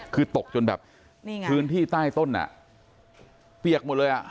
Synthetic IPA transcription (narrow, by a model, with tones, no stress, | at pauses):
kʰɯː˧t̪o˨˩k̚t͡ɕo˧nbɛ̰ː˨˩p̚ | pʰɯː˦˥nt̪ʰiː˥˩t̪aː˥˩jt̪o˥˩nʔa̰˨˩ʔ | pi˨˩ək̚mo˨˩t̪̚lɤː˧jʔa̰˨˩